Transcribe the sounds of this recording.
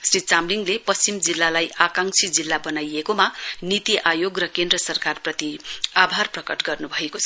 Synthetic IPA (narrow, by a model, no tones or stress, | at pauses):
srit͡samliŋlepʌst͡simd͡zilːalajakaŋsʰid͡zilːabʌnajekomanit̪iʔajoɡrʌkend̪rʌsʌrkarprʌt̪iabʱarprʌkʌʈɡʌrnubʱʌekot͡sʰʌ